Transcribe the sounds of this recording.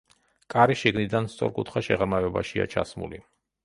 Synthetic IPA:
kʼaɾiʃiɡnid̪anst̪sʼɔ̰ɾkʼut̪ʰχaʃɛʁɾmavɛbaʃia̰t͡ʃʰa̰smṵli

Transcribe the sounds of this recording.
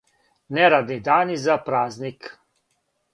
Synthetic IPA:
nɛɾaːd̪nid̪aːnizapɾaːznik

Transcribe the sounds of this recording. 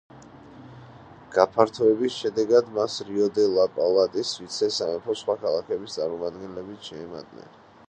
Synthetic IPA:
ɡ̥apʰaɾt̪ʰɔɛbisʃɛd̪ɛɡad̪masɾiɔd̪ɛlˠapʼalˠat̪ʼisvit̪sʰɛsaɛpʰɔsχwakʰalˠakʰɛbist̪sʼaɾmɔmad̪ɡɛnlɛbit̪ʃɛːma̰d̪nɛ̰n

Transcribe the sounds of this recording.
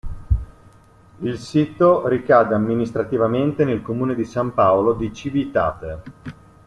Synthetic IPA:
ilsiːt̪oɾikaːd̪eamːinist̪ɾat̪ivament̪enelkomuːned̪isampaolod̪it͡ʃivit̪a̰ːt̪e

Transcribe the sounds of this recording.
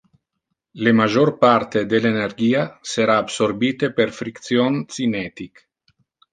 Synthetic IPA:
lemad͡ʒoɾpaɾt̪ed̪elenerɡiːaseɾaːbsoɾbiːt̪epeɾfɾikt̪sjonsinɛt̪ik

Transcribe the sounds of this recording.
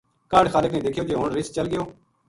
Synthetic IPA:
kaːɖxaːlɪknẽːd̪ɪːkʰɪjoːd͡ʒeːɦoɳɾɪst͡ʃəlɡɪjoː

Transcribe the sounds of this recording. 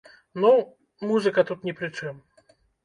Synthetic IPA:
nu | muzɨkɐt̪ut̪nʲɛpɾɨt͡ʂɨm

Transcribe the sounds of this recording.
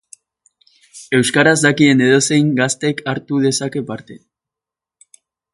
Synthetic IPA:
e̞wskaɾazd̪akie̞ne̞ð̞o̞se̞jŋɡast̪e̞kʰaɾt̪uðe̞sake̞paɾt̪e̞

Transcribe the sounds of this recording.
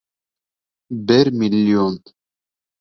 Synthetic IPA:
bɛɾmilːjon

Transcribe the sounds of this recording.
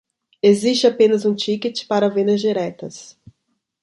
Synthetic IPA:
eziʃt͡ʃɪapẽnɐzũt͡ʃikɪt͡ʃɪ̥paɾɐvẽnd̪ɐzd͡ʒiɾɛt̪ɐs

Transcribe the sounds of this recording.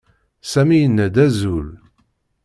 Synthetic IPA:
sæmijənːæd̪æzul

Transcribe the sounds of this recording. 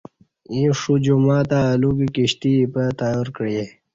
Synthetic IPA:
ĩːʂud͡ʑumaːt̪aːlukikiɕt̪ipət̪aːjoːɾkəɽje

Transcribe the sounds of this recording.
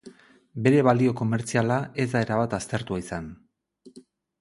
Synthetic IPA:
be̞ɾe̞βalio̞ko̞me̞ɾt͡sialae̞zd̪ae̞ɾaβ̞at̪ast̪e̞ɾt̪uaisan

